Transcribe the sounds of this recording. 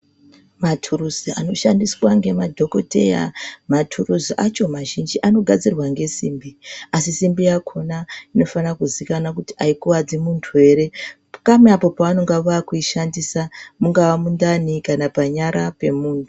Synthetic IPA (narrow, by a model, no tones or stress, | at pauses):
matʰuruziano̞ʃandiswaŋɡe̞madʱo̞ko̞te̞ja̰matʰuruziʔat͡ʃo̞maʒind͡ʒiʔano̞ɡʱad͡zirwaŋɡe̞siːmbiasisimbijakʰo̞naino̞fanakuzikanakuti̥aikuwad͡zimuntʰuwe̞ɾe̞ | kameapo̞paano̞ŋɡaʋakuiʃandisamuŋɡawamundanikanapaɲaɾape̞muːntʰu